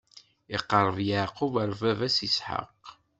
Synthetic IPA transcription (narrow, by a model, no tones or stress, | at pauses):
iqːəɾˤəvjaʕquvəɾˤvævæsisħə̰q